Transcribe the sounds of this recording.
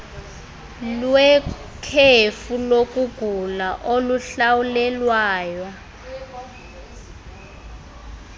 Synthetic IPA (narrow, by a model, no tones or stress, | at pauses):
lwɛ | kʰefulok̬ʼuɡ̥ʱulaʔoluɬawulɛlwaːjwa